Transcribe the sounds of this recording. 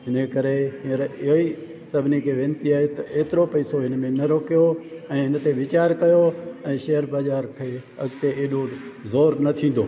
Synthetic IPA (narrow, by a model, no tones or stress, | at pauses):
ɦɪnəkɐɾeɦiəɾɪɦi | sɐbʱnikʰeʋẽːnt̪iaːɦet̪ɐʔeːt̪ɪɾopɐɪsoɦɪnmẽnɐɾoːkijoɛ̃ːɦɪnt̪eʋɪt͡ɕaːɾkɐjoɛ̃ːʃɐɦəɾbaːzaːɾkʰeːɐɡt̪eeːɗozoːɾnɐt̪ʰĩːn̆d̪oː